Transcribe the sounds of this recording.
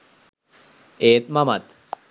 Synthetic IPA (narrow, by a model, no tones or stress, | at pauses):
eːt̪mamat̪